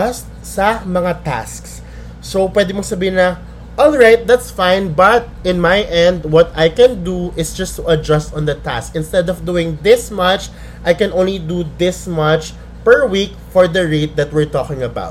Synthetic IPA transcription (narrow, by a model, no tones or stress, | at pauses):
st̪̚sɐmɐŋat̪a̰sks | sopwɛd̪ɪmosɐbiːhɪnɐ | ʔɔlɹajt̪̚d̪æt̪sfãɪnbɐt̪̚ʔɪ̃nmajʔɛ̃nd̪wɔt̪ajkɛ̃nd̪uʔɪsd͡ʒɐst̪uʔɐd͡ʒɐst̪ɔ̃nd̪ɐt̪a̰skʔɪ̃nst̪ɛd̪ɔvd̪uːɪ̃ŋd̪ɪsmɐt͡ʃ | ʔajkɛ̃nʔõw̃nlid̪uðɪsmɐt͡ʃ | pɛɹwik̚ | fɔɹd̪ɐɹeɪt̪̚d̪ɐt̪̚wɪɹt̪ɔkɪ̃ŋɐba̰wt̪̚